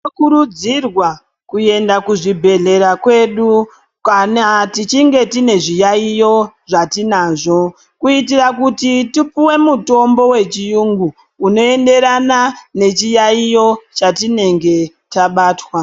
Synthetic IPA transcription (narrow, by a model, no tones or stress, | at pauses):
okuɾud͡zirwa | kue̞ndakuʐibʱe̞ɮe̞ɾakwe̞ɗu | kanatit͡ʃiŋɡe̞tine̞ʐijaijo̞ʐatinaːʐo̞ | kuitirakutitipuwe̞muto̞mbo̞we̞t͡ʃijuŋɡuː | no̞e̞nde̞ɾanane̞t͡ʃijaijo̞t͡ʃatine̞ŋɡe̞ | taɓaːtwa